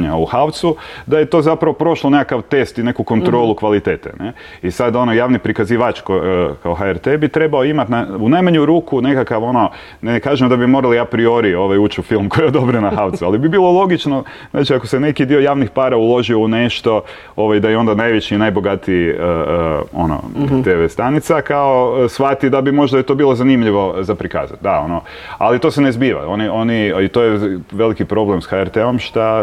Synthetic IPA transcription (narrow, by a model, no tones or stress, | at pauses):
ɲauxawt̪sud̪ajet̪ozapɾaʋo̞pɾo̞ʃlˠo̞nekakaʋt̪e̞st̪ine̞kuko̞nt̪ɾo̞ːlˠukʋalit̪eːt̪ḛne | isad̪o̞nojaːʋnipɾikaziʋat͡ʃkokaoxaɛɾt̪ebit̪ɾe̞baoimat̪naunajmaɲuɾuːkune̞kakaʋo̞no̞ | nekaːʒemd̪abimo̞ɾaliapɾio̞ɾioʋajuːt͡ʃufilˠmko̞jeod̪obɾenaxawt̪sualibibiːlˠo̞lˠo̞ɡit͡ʃno | znaːt͡ʃiakosene̞kid̪io̞jaːʋnixpaːɾaulˠo̞ʒioune̞ʃt̪o̞ | o̞ʋajd̪ajeo̞nd̪anajʋet͡ɕiːnajbo̞ɡat̪iiəəo̞̰no̰t̪eʋest̪anit̪sakaosʋat̪id̪abimo̞ʒd̪ait̪o̞ːbiːlˠo̞zanimʎiʋo̞zapɾika̰ːza̰t̪̚d̪ao̞̰no | alit̪o̞senezbiːʋa̰o̞nio̞niit̪ojeʋe̞likipɾo̞blemsxaeɾt̪eo̞mʃt̪a